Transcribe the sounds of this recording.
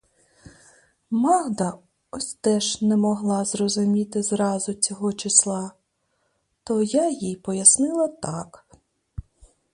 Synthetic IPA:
mɑɣd̪ɐ | ɔsʲt̪ɛʒnɛmɔɦlˠɑzrɔzʊmʲit̪ɪzɾɑzʊt͡sʲɔɦɔt͡ʃɪslˠɑ | t̪ɔjajijpɔjɐsnɪlˠɐt̪ɑk

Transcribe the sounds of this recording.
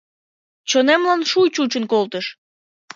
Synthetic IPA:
t͡ɕonemlɑnʃujt͡ɕut͡ɕənkolt̪əʃ

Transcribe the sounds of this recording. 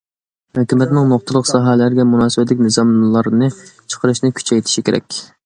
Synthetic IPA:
høkʲymɛt̪nɪŋnoχ̚t̪ʰəlˠəqsɑːɦɛlæɾɡʲɛmunɑːsɨbɛt̪lɪkʲnɨzɑmlˠɑɾnɨt͡ʃʰə̥qʰəɾɨʃnɪkʲʰy̥t͡ʃʰɛjt̪ʰɪ̥ʃikʲʰeɾɛ̰kʲ

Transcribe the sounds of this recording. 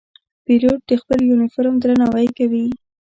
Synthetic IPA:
piloʈ̚d̪əxpəljunɪfoɾmd̪ɾənawajkawi

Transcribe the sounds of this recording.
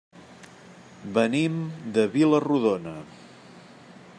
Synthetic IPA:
bənimd̪əβiləruðonə

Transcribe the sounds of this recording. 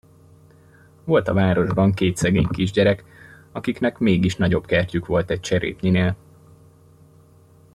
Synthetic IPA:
vo̞lt̪ɒvaːɾo̞ʒbɒŋkeːt̪sɛɡḛːɲkiʒɟɛɾɛk | ɒkiknɛkmeːɡiʃnɒɟo̞b̥kɛrcykʋo̞lt̪ɛc̚t͡ʃɛɾḛːp̪ɲineːl

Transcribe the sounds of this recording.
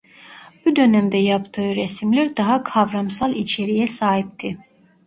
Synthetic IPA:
b̥ud̪ø̞næmd̪ɛjapt̪ʰɯɯɾesimlʲæɾd̪aɦakʰavɾamsalˠit͡ʃʰe̞ɾijɛsaːɦip̚t̪ʰi

